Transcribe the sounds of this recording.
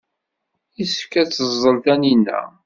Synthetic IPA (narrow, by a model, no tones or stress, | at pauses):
isfkæt͡sːəzˤːəlt̪æninːæ̰